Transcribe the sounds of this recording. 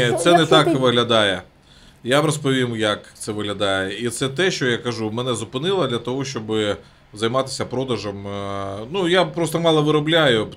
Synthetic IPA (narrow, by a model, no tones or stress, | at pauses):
t̪sɛnɛt̪ɑkʋɪɦlʲɐd̪ɑjɛ | jabɾɔspɔʋʲimjɐkt̪sɛʋɪɦlʲɐd̪ɑjɛit̪sɛt̪ɛʃt͡ʃɔjakɐʒumɛnɛzʊpɪnɪlˠɐd̪lʲɐt̪ɔɦɔʃt͡ʃɔbɪ | zɐjmɑt̪ɪ̥sʲɐpɾɔd̪ɐʒɔmnujapɾoɔst̪ɔmɑlˠɐʋɪɾɔblʲajʊ